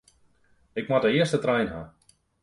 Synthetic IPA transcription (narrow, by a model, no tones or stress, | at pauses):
ɪkmadəɪəstətrɛjnɦa